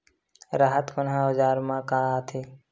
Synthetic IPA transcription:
ɾaːɦət̪kənɦãːʊd͡ʒaːɾmãːkaːaːt̪ʰeː

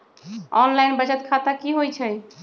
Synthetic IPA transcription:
ɔnlajnbəd͡ʒət̪kʰat̪akiɦojt͡ʃʰɛj

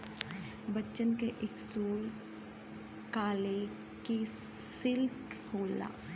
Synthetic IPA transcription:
bətːʃənkeʔɪksuːl | kaːle | ki | sɪlkhoːla̰ː

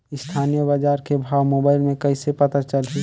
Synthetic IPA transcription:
ɪst̪ʰaːnijəbad͡ʒaːɾkebʱaːwmoːbaːɪlmẽkɐisepɐt̪at͡ʃəlɦi

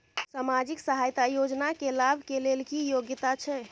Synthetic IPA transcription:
samad͡ʒiksəɦajt̪ajod͡ʒnakelabʱkelelkijoɡjt̪at͡ʃʰɛ

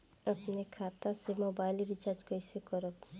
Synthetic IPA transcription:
əpnekʰat̪asemobajlɾit͡ʃaɾd͡ʒkojsekɔɾɔp

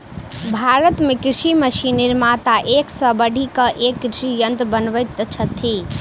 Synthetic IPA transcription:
bʱaɾət̪mekɾɪɾʃiməʃiniɾmat̪aʔeksə̃bəɽʱikəʔekːɾɪʃijənt̪ɾbənʋət̪t͡ʃʰət̪ʰi

